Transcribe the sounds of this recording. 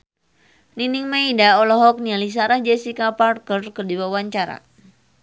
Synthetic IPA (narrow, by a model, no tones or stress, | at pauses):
niniŋmaidaɔlɔɦɔk̚nialis̬aɾahd͡ʒɛsikaparkərkɨrdiwawaɲt͡ʃaɾa̰